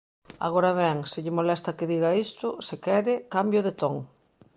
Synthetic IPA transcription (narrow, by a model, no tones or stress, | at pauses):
a̰ɣ̞oɾaβɛŋsɪʎɪmolɛst̪ɐkɪðiɣɐist̪ʊsɪkɛɾɪkambjʊðet̪oŋ